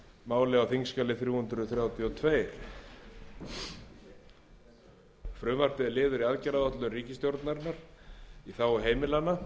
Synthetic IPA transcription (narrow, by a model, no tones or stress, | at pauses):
maːwlɪawθiŋskalɪθɾjuːhʏnt̪ɾʏθɾjaːwt̪ʰjiɔt̪ʰveːjɾ̥ | fɾʏːvar̥t̪ɪɪlɪːðʏɾiaðcɛɾaðɔht̪lʏnriːcɪst̪jowɾt̪naɾnːaɾ̥iθawɔɦeːjmɪlanːa